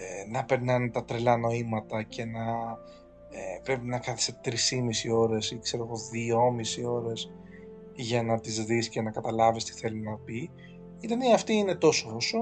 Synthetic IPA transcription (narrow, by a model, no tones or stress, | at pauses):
enɐpe̞ɾnɐnt̪ɐt̪ɾelɐno̞imɐt̪ɐce̞nɐ | epɾe̞pinɐkɐθɐ̥set̪ɾisimisio̞ɾe̞sikse̞ɾo̞ɣo̞ðio̞misio̞ɾe̞s | ʝɐnɐt̪izðiscenɐkɐt̪ɐlɐvist̪i̥θe̞linɐpi | it̪eniɐɐft̪iine̞t̪o̞sooso̞